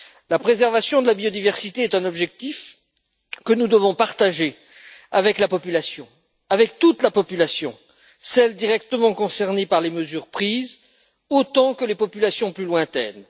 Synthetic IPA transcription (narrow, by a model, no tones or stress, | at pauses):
lapχezɛʁvasjɔ̃d̪əlabiɔd̪ivɛʁsit̪eɛt̪ɛ̃nɔbʒɛk̚t̪if | kənud̪əvɔ̃paʁt̪aʒe | avɛklapɔpylasjɔ̃ | avɛkt̪ut̪lapɔpylasjɔ̰̃ | sɛld̪iʁɛkt̪əmɑ̃kɔ̃sɛʁnepaʁleməzyːʁpχiːz | ot̪ɑ̃kəlepɔpylasjɔ̃plylwɛ̃t̪ɛ̰n